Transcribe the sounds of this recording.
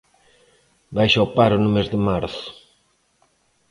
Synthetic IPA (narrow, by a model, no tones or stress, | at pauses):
bajʃaopaɾʊnumezðemaɾθʊ̥